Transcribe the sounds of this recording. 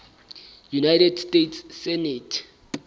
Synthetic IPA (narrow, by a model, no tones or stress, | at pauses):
junajtʰɛdstʼetʰsːɛnɛtʰ